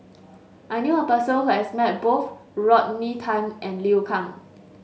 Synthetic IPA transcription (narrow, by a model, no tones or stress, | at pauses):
ʔajnjuəpəsəhuɛsmɛt̚boθɹɔt̚nitʰãɪmʔɛ̃nliukʰãŋ